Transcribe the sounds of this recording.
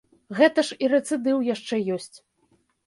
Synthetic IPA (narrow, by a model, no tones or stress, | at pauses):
ɣɛt̪ɐʂiɾɛt̪sɨd̪ɨwjaʂt͡ʂɛjɔsʲt͡sʲ